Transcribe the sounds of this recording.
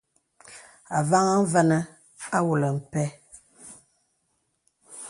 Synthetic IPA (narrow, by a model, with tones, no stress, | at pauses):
a˨va˦ŋa˦vɛ˦nə˦ | a˦wu˨lə˨m̩˨pɛ˦